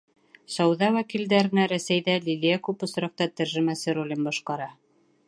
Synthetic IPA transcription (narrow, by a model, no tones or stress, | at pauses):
sɒwðɑwækild̪æɾɘ̆næɾæsæjðælʲilʲijækʉpŏsɾɑq̚t̪ɑt̪æɾʒɘ̆mæsɘɾulʲɘmbɒʃqɑɾɑ